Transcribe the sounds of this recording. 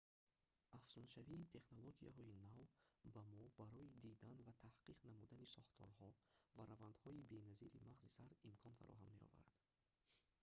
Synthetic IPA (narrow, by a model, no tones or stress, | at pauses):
ʔafsunʃaviːt̪ʰe̞χnoloɡia̰ɦɔinavbamɔbaɾɔid̪id̪anvat̪ʰahqiqnamud̪anisɔχt̪ʰɔ̰ɾhɔvaɾavand̪hɔibe̞naziɾimaʁzisaɾimkʰɔnfa̰ɾɔ̰ɦamːe̞ɔ̰va̰ɾa̰d̪̥